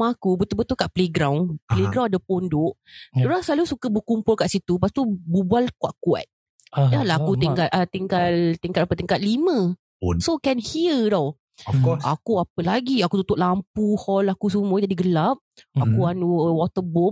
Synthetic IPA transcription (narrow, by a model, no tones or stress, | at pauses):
makubət̪ubət̪ukaʔpleɡɾawnpleɡɾawnadapondoʔuɾaŋsəlalusukəbəkumpʊlkaʔsit̪upast̪ububalkuaʔkua̰t̪̚ | dalaakut̪iŋkat̪̚ʔat̪iŋkalt̪iŋkat̪̚apət̪iŋkat̪̚limə̃ | sokɛnhiədaw | ɔɔa̰kuapəlaɡiakut̪ut̪ʊʔlamp̚uhɔlakus̬umud͡ʒadiɡəlap̚akuanwɔt̪əbom